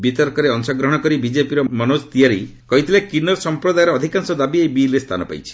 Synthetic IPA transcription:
bit̪ɔɾkɔɾeɔŋsɔɡɾɔɦɽ̃ɔkɔɾibid͡ʒepiɾɔmɔnost̪iaɾikɔɦit̪ʰilekinɔɾɔsɔmpɾɔd̪ajɔɾːd̪ʱikansɔd̪abiejbilest̪ʰanɔpa̰jt͡ʃʰi̥

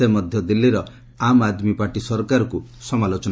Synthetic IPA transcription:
emɔd̪ʱjɔd̪ilːiɾɔ | amad̪mipaʈisɔɾkaɾɔkusɔmalot͡ʃɔn

